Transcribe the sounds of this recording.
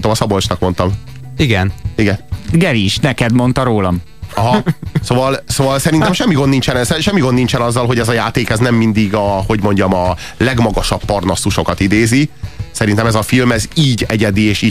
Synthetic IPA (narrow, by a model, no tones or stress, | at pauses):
t̪oːmɒsɒbolt͡ʃnɒkmo̞nt̪ɒm | iɡɛniɡɛnɡɛɾiʃnɛkɛd̪mo̞nt̪ɒɾoːlɒm | ɒɦɒsoːvɒlsoːvɒlsɛɾint̪mʃɛmːiɡonnint͡ʃɛnɛsɛʃɛmːiɡonint͡ʃɛnɒzːɒlɦo̞ɟɛzɒjaːt̪eːkɛznɛmːind̪iɡɒho̞ɟmo̞ɲɟɒmɒ | lɛɡmɒɡɒʃɒpːɒrnɒsuʃo̞kɒt̪id̪eːzisɛɾint̪ɛmɛzɒfilmɛziːɟɛɟɛd̪ieːʃiː